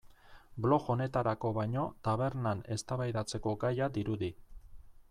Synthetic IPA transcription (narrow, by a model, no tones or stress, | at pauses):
blo̞xo̞ne̞t̪aɾako̞βajɲo̞t̪aβ̞e̞ɾnane̞st̪aβajðat͡se̞ko̞ɡajad̪iɾuði